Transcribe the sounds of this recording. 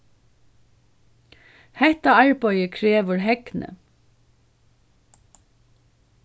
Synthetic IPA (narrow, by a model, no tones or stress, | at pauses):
hɛht̪aaɹpɔjəkʰɾeːʋʊɹɦɛknə̰